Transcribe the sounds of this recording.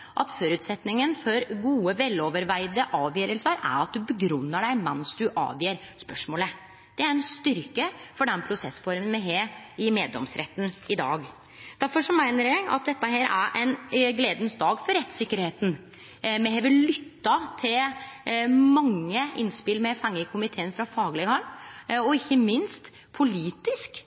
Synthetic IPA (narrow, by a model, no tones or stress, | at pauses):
ʔɑt̪fɔɾʉːt̪sɛt̪nɪŋənfɔɾɡuːəʋɛloːʋəɾʋæɪd̪əʔɑːʋjœːɾəlsəɾæ̰ɾɑt̪̚d̪ʉbəɡɾʉnːəɖæɪmɛnsd̪ʉʔɑ̰ːʋjiːɾspœʂmoːlə | d̪̥ɛæɾɛnst̪ʏɾkəfɔɖɛnpʰɾʊsɛsfɔɾmənmɛɦeːɪmeːd̪lɔ̰msɾʔɛ̰t̪ːn̩ɪd̪ɑ̰ːɡ | d̪̥æɾfɔʂɔmæɪnəɾɛɡɑ̰t̪̚d̪ɛt̪ːəɦeːɾʔæ̰ɾʔɛɪnɡleːd̪nsd̪ɑːɡfɔɾɛt̪ːsɪkːəɾheːt̪n̩ | mɛɦeʋɪllʏt̪ːɑt̪ʰɪl | mɑŋːəʔɪnspɪlmɛfɑŋːəkʰʊmɪt̪ʰeːnfɾɑfɑːɡlɪɡhɑlɔɪçːəmɪnst̪ | pʰʊliːt̪ɪsk